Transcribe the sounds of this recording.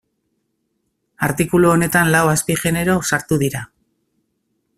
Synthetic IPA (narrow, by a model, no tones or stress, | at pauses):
aɾt̪ikuluone̞t̪anlawaspiʝe̞ne̞ɾo̞saɾt̪uðiɾa